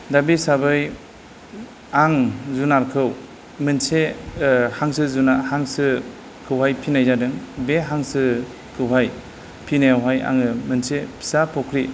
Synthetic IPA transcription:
dabisabɯj | aŋzunaɾkʰɯw | mɯnse | haŋsɯzunahaŋsɯ | kʰɯwɦajpʰinajzadɯŋbeɦaŋsɯ | kʰɯwɦaj | pʰinajawɦaja̰ŋɯmɯnsepʰi̥sapʰɔkʰɾi

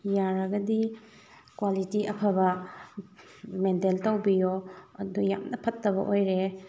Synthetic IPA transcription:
jaɾɐɡɐdi | kwalitiɐpʰɐbɐ | menteltɐwbijoɐduja̰mnɐpʰɐtːɐβɐ̰ʔojɾe

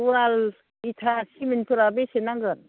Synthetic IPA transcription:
ual | itʰasiminpʰuɾabesenaŋɡɯn

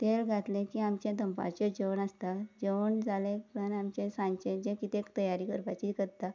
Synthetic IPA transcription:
t̪elɡʱat̪lẽkiːamt͡ɕjãd̪əmpa̰ɾt͡ɕed͡ʑewnast̪ad͡ʑeəɳd͡zalẽənamt͡ɕẽsãɲt͡ɕẽd͡ʑẽkit̪ekt̪əjaɾiːkəɾpat͡ɕikəɾt̪a

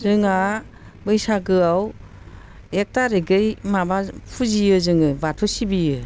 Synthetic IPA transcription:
zɯŋa | bɯjsaɡɯaw | ek̚taɾeɡɯjmabapʰuzijɯzɯŋɯbatʰusibijɯ

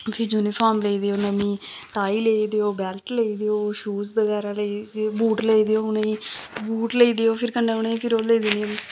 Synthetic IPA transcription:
pʰɪɾd͡ʒuːnipʰaːɾmleiːd̪eoːnəmĩːʈaːiːleid̪eoːbɛːlʈleiːd̪eoːʃuːzbəɡɛːɾaːlebuːʈleiːd̪eoːʊnẽiːbuːʈleiːd̪eoːpʰɪɾkəɳɖeːʊnẽːiːpʰɪɾoːleːiːd̪ɪneo

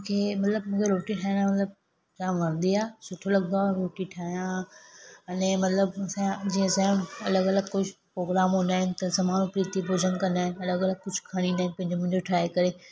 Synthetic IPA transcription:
mũːkʰeːmɐt̪ləbmũːkʰeɾoːʈiʈʰaːɦj̃naːmɐt̪ləb̚ | t͡ɕãːmʋɐɾnd̪iaːsʊʈʰolɐɡd̪aɾoːʈiʈʰaːɦijã | ɐnẽmɐt̪ləbɐsãd͡ʑĩːsãʊnɐləɡɐləɡ̚kʊd͡ʑʱʊpɾoːɡɾaːmɦõːnd̪aːɦɪnɪ̆t̪ɐzɐmaːnũpɾiːt̪ibʱoːd͡ʑʱənkɐ̃nd̪aːɦɪ̃nɐləɡɐləɡ̚kʊd͡ʑʱkʰɐɽ̃ind̪aːɦɪ̃npɐ̃ɦɪ̃ɲd͡ʑomũɪ̃ɲd͡ʑoʈʰɾaːekɐɾeː

